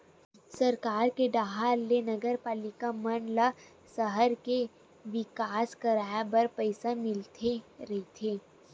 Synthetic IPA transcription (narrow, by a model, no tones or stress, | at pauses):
sɐɾkaːɾkeɖ̪aːɦaɾlenɐɡəɾpaːlɪkamɐnla | sɐɦəɾke | ʋɪkaːskɐɾaːbɐɾpɐɪsamɪlt̪ʰeɾɐɦit̪ʰeː